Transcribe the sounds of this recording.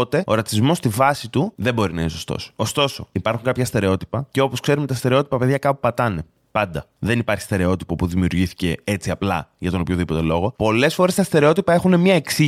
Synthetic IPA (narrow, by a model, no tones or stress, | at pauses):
ot̪e̞o̞ɾɐt͡sizmo̞st̪ivɐsit̪uðe̞bo̞ɾinɐinso̞st̪o̰so̞st̪o̞so̞ipɐɾxuŋkɐpçɐst̪e̞ɾe̞o̞t̪i̥pɐceo̞po̞skse̞ɾumet̪ɐst̪e̞ɾe̞o̞t̪i̥pɐpe̞ðʝɐkɐpupɐt̪ɐne̞ | pɐnd̪ɐ | ðe̞nipɐɾçi̥st̪e̞ɾe̞o̞t̪i̥popuðimiuɾʝiθi̥ce̞et͡siɐplɐ̰jʝɐt̪onopçoðipo̞t̪e̞lo̞ɣo̞po̞le̞sfo̞ɾe̞st̪ɐst̪e̞ɾe̞o̞t̪ipɐe̞xune̞mɲɐeksi